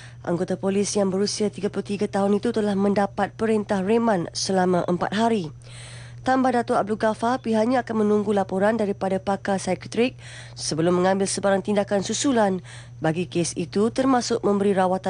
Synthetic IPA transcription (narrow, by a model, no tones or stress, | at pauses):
ʔa̰ŋɡot̪apolɪsjaŋbəɾusiat̪iɡapulut̪iɡat̪aɦʊnit̪ut̪əlahmə̃ndapat̪̚pəɾint̪ahremãnsəlamãʔəmpa̰t̪̚ɦaɾi | t̪ambadat̪oab̚duɡafarpiɦaʔɲãakanmə̃nũŋɡulapoɾandaɾipadapakasajkt̪ɾɪk̚ | səbəlʊmːə̃ŋãmbɪlsəbaɾaŋt̪indakansusulan | baɡikesit̪ut̪ərmãsʊk̚mə̃mbəɾiɾawat̪a